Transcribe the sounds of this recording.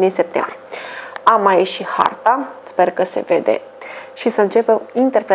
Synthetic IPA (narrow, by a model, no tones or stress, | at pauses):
d̪inse̞p̚t̪ḛmbɾijamajeʃiha̰rt̪aspe̞rkəse̞̰ve̞̰d̪e̞̰ | ʃisəɨnt͡ʃe̞pemint̪e̞rpɾe